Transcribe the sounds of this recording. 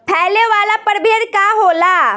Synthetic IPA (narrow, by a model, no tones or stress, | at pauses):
pʰɛːleʋaːlapɐɾbeːɾkaɦoːlaː